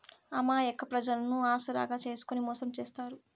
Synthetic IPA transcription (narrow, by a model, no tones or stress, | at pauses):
ɐmaːekːɐpɾɐd͡ʒɐlɐnuaːsɐɾa̰ːɡaːt͡ʃe̞ːsu̥kunimɔːsɐmt͡ʃeːst̪aːɾu